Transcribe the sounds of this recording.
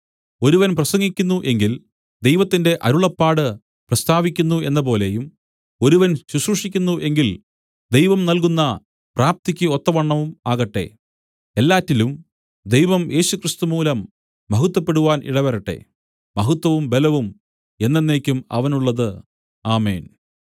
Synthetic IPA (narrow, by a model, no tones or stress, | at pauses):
o̞ɾuʋɐnprɐsɐŋɡikʲːunːuʔe̞ŋɡil | d̪e̞jʋɐt̪ːinde̞ʔɐɾuɭɐpːaːɽɨ | prɐst̪aːʋikʲːunːue̞nːɐpo̞ːle̞jum | o̞ɾuʋɐnɕuɕruʂikʲːunːuʔe̞ŋɡil | d̪e̞jʋɐmnɐlk̬unːɐ | praːp̚t̪ikʲːɨo̞t̪ːɐʋɐɳːɐʋuma̰ːɣɐʈːe̞̰ | elːaːtːilum | d̪ejʋɐmjʔe̞ːɕukrɨst̪umuːlɐmː | ɐɦut̪ːɐpːe̞ɽuʋaːnʔḭɽɐʋɐɾɐʈːe̞̰ | mɐɦut̪ːɐʋumbe̞lɐʋum | e̞nːenːe̞ːkʲːumɐ̰ʋɐnuɭːɐðɨ | aːmḛːn